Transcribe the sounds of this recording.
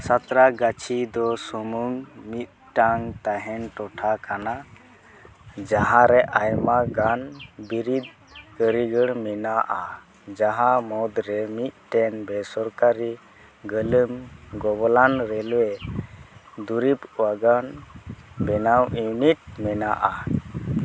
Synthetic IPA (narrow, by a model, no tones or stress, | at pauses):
sat̪ɾaɡat͡ʃʰid̪ɔsumuŋmit̪̚ʈaŋt̪aɦɛnʈɔʈʰakana | d͡ʒaɦãɾɛʔajmaɡanbiɾid̪̚ | kəɾiɡəɽmɛnaʔa | d͡ʒaɦãmɔd̪ɾɛmit̪̚ˀʈɛnbɛsɔɾkaɾi | ɡələmɡɔbɔlanɾɛlwe | d̪uɾipuwaɡan | bɛnawʔinit̪̚mɛnaʔa